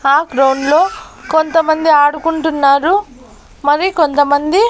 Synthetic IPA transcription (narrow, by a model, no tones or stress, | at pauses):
aːɡɾɐwnlo̞ːkont̪ɐmɐnd̪iaːɽukuɳʈunːaːɾu | mɐɾiko̞nt̪ɐmɐnd̪i